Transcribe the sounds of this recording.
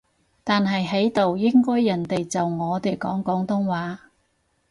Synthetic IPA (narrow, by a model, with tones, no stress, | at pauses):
t̪aː˨nɦɐ˨jɦe˨˥jt̪o˨wjɪ˥ŋkɔː˥jːɐ˨˩nt̪e˨jt͡sɐ˨wŋɔː˨˧t̪e˨jkɔː˨˥ŋkɔː˨˥ŋt̪ʊ˥ŋwaː˨˥